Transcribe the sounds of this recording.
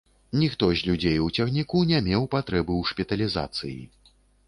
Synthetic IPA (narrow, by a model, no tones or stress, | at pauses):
nʲixt̪ɔzʲlʲud͡zʲejut͡sʲaxnʲikunʲɛmʲɛwpat̪ɾɛbɨwʂpʲɛt̪ɐlʲiza̰t̪sɨjḭ